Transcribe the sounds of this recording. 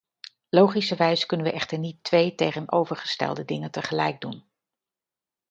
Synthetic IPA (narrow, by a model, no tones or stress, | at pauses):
lowχisəʋɛjzəkɵnənʋəʔɛχtəɹnitʋejtejχənʔo̰wvəɹχə̥stɛ̰lˠdədɪŋəntəχəlɛjɡ̚dun